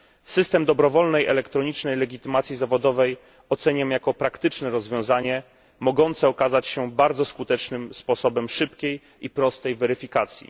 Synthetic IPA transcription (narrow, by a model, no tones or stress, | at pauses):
sɘst̪ɛmd̪ɔbɾɔvɔlnɛjɛ̰lɛkt̪ɾɔɲit͡ʂnɛjlɛɡʲit̪ɘmat̪sʲjizavɔd̪ɔvɛj | ɔt̪sɛɲamjakɔpɾakt̪ɘt͡ʂnɛɾɔzvʲjɔ̃w̃zaɲɛ | mɔɡɔnt̪sɛɔkazat͡ɕɕɛbaɾd̪zɔskut̪ɛt͡ʂnɘmspɔsɔbɛmʂɘpkʲej | ipɾɔst̪ɛjvɛɾɘfʲikat̪sʲjḭ